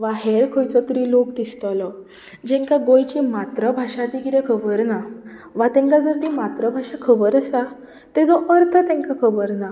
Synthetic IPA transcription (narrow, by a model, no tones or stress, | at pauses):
ʋaɦeɾkʰəjt͡sɔt̪uɾilokd̪ist̪əlɔ | d͡ʑɛ̃ŋkaɡojt͡ɕimat̪ɾəbʱaʂad̪ikɾekʰəbəɾna | ʋat̪ɛ̃ŋkad͡zəɾt̪imat̪ɾəbʱaʂakʰəbəɾəsa | t̪ed͡zɔʔəɾt̪ʰət̪ẽŋkakʰəbəɾna